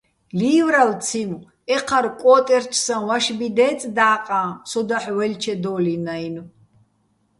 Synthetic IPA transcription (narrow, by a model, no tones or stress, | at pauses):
liːwɾalt͡sʰim | ɛqʰaɾkʼɔːt̪ʼɛɾt͡ʃʰsanwaʃbid̪ɛːt͡sʼd̪aːqʼãːsɔd̪aħwɛlt͡ʃʰɛd̪ɔːlinajn